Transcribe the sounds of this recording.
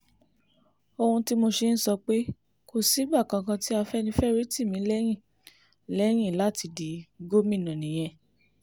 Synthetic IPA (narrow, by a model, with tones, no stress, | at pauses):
o˧hũ˧ti˦mo˧ʃe˧˦n̩˦sɔ˧k͡pe˦ | ko˦˨si˨˦ɡ͡ba˦˨kã˧kã˧ti˦a˧fɛ˦nĩ˧˦fɛ˦ɾi˦ti˦˨mĩ˨˧˦lɛ˦j̃ĩ˦˨ | lɛ˦j̃ĩ˦˨la˨˦ti˧di˨ɡo˦mĩ˦˨nã˨nĩ˨j̃ɛ̃˧